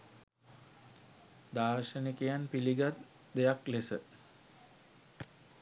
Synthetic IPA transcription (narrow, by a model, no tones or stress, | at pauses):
d̪aːɾʃənikejanpiliɡat̪ | d̪ejaklesə